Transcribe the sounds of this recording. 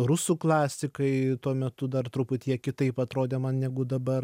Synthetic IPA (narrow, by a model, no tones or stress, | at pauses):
ɾʊsuːklˠɑːsʲɪkɐɪtt̪uɔmʲɛt̪ʊd̪ɐrt̪ɾʊpʊt̪ʲiɛɛkʲɪt̪ɐɪpɐt̪ɾoːd̪ʲeːmɐnnʲɛɡʊd̪ɐbɐr